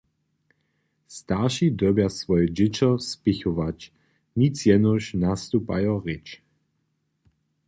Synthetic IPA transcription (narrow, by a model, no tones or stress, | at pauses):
st̪aʁʃid̪ɔbjasvɔjɛd͡ʑɪt͡ɕɔspɪxɔvat͡ɕ | ɲit͡sjɛnɔʃnast̪upa̰jɔʁɪt͡ʃ